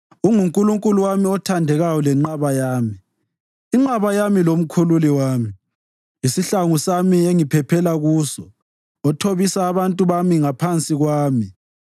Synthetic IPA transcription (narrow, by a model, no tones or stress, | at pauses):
uŋuŋkʼuluŋkʼuluwamiɔtʰandʱɛɣawɔlɛŋ͡ǃaβajaːmiː | ŋ͡ǃaβajamilom̩kʰululiwaːmi | isiɬaŋusamieŋipʰɛpʰɛlaɣuːsɔ | ɔtʰoβisaːβantʼuβamiŋapʰant͡sʼiɣwaːmi